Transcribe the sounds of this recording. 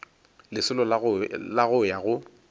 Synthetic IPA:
lɪsʊlɔllaɣʊjaɣʊ

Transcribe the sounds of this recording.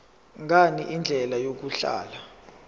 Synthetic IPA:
ŋʱaniʔind͡ɮʱɛlajok̬uɬa̰ːla

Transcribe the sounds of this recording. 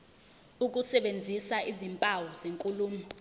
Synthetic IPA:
uk̬usɛɓend͡zʱisaʔizimpʼawɔzeŋkʼuluːmu

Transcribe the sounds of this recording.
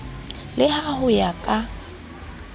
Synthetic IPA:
lɪhahʊjakʼa

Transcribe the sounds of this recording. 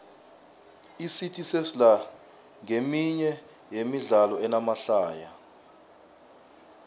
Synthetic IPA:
isitʰisesila | ŋemiɲɛ | jemiɮalɔɛnamaɬaːja

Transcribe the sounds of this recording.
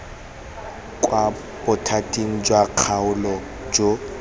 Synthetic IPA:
kʼwa | bʊtʰatʼiŋ̩d͡ʒwaq͡χʰaʊlɔ | d͡ʒo

